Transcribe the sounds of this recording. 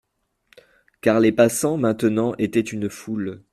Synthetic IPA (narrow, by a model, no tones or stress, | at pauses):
kaʁlepasɑ̃mɛ̃t̪ənɑ̃ʔet̪ɛt̪ynful